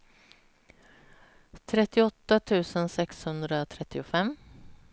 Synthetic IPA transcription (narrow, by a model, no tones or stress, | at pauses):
t̪ʰɾɛt̪ɪɔt̪ːat̪ʰʉ̟ːsənsɛkshɵnd̪ɾat̪ʰɾɛt̪ɪʊfɛm